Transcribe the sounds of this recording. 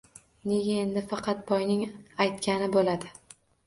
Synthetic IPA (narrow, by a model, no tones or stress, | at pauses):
ne̞ɡʲaend̪ɪfɑqʰɑt̪̚bɒjnɪŋajt̪kʲanɪbolad̪ɪ